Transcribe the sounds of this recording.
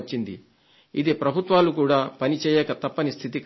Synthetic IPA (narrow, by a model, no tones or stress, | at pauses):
t͡ʃːind̪i | id̪ipɾɐbʱut̪ʋaːlukuːɽaːpɐnit͡ʃɛːjɛːkɐt̪ɐpːɐnist̪ʰit̪ik